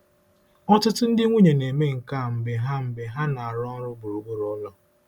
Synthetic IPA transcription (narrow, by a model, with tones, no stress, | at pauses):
ɔ˦tʊ˦tʊ˦n̩˦dɪ˦ŋʷu˦ɲe˨ne˨me˦ŋ̩˨ka˦˨m̩˨be˨ɦa˦m̩˨be˨ɦa˦na˨a˨ɾɔ˦ɾʊ˦bʊ˨ɾu˨bu˦ɾɔ˦lɔ˦